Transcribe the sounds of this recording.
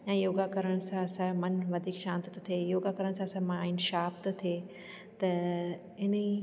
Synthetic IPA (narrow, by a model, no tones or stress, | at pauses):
jãːjoːɡakɐɾəɽ̃sãɐsãmɐnʋɐd̪ʱikʃãːnt̪t̪t̪ʰejoːɡakɐɾəɽ̃sãɐsãmãaːɪnʃaːpt̪t̪ʰeː | t̪ɐ | ɪni